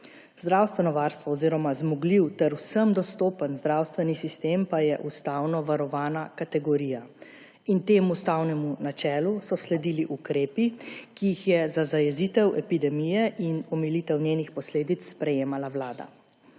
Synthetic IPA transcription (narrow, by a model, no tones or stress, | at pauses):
zd̪ɾawst̪ʋɛnɔʋaːɾst̪ʋɔːziːɾɔmazmɔɡliwt̪ɛɾwsəmd̪ɔst̪oːpənzd̪ɾawst̪ʋɛnisist̪eːmpajɛʔust̪awnɔʋaɾɔʋaːnakat̪ɛɡɔɾiːja | int̪eːmust̪awnɛmunat͡ʃɛːlusɔslɛd̪iliʔukɾeːpikiːxjɛzazajɛziːt̪ɛwʔɛpid̪ɛmijɛʔinɔmɛliːt̪ɛwnjeːnixpɔsleːd̪it̪sːpɾɛjeːmalawlaːd̪a̰